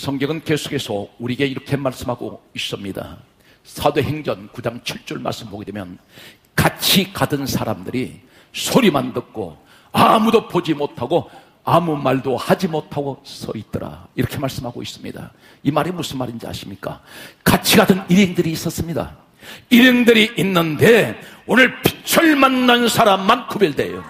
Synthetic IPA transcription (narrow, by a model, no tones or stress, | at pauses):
sʰʌŋɡʌŋɯnke̞sʰu̥ke̞sʰʌuɾiɡe̞iɾʌkʰe̞maɭs͈ɯmhaɡo̰is͈ʌmɲida̰ | sʰadwe̞he̞ŋd͡ʑʌnkud͡ʑaŋt͡ɕʰiɭt͡ɕ͈oɭma̰ɭs͈ɯmboɡedwemjʌn | kat͡ɕʰikadɯnsʰaɾamdɯɾi | sʰoɾimandɯk̚k͈o̰ | amudopod͡ʑimotʰaɡo | amumaɭdohad͡ʑimotʰaɡosʌ̰it̚t͈ʌɾa̰iɾʌkʰe̞maɭs͈ɯmhaɡo̰is͈ɯmɲḭda̰ | imaɾemus͈ɯnmadind͡ʑia̰ɕʰi̥mɲik͈a̰kat͡ɕʰiɡadɯniɾiŋdɯɾiːs͈ʌs͈ɯmɲida̰ | iɾeŋdɯɾiʔinːɯndeonɯɭpʰi̥t͡ɕʰʌɭmanːansʰaɾamːankʰubiɭde̞̰jo̰